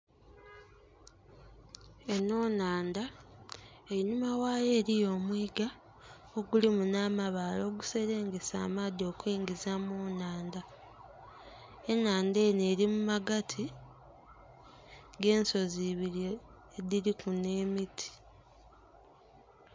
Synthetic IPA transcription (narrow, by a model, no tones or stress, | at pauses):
e̞no̞ːnaːnda | ejinumawaːje̞ːɾijo̞ːmwiːɡa | oɡulimunaːmaβaːlo̞ːɡuse̞ɾe̞ːŋɡe̞sa̰ːmaːd̪io̞ːkujiːŋɡizamoːnaːnda | enːaːnde̞ːne̞ːɾimumaɡatʰi | ɡe̞ːnso̞ziβiɾjo | ediɾikune̞ːmitʰi̥